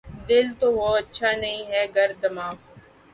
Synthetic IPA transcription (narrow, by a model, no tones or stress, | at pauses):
d̪ɪlt̪oɦoːɐtːʃʰanɐɦĩɦɛɡɐɾd̪ɐmaːko